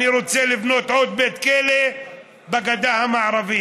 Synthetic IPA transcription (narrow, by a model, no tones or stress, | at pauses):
iɾutt͡seːlɪbnoːt̪ʕoːt̪̚beːt̪keːle | baɡad̪aːhamaʕɾˤɑbɪː